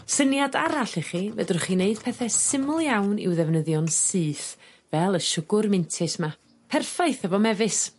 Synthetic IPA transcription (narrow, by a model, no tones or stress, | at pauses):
sənjadaɾaɬiχivɛdrχineɨd̥pʰɛθɛsɪmʊlˠjawnɪ̰wðɛvnəðjɔnsɨːθ | vɛlˠəʃʊɡʊrmɪntʰɪsma | pʰɛrfajθəvɔmɛvɨs